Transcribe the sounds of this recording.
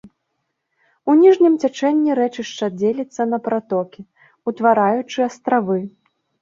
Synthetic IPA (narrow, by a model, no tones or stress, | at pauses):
unʲiʐnʲimt͡sʲat͡ʂɛnʲːiɾɛt͡ʂɨʂt͡ʂɐd͡zʲelʲit̪sːɐnɐpɾat̪ɔkʲi | ut̪vaɾajut͡ʂɨɐst̪ɾavɨ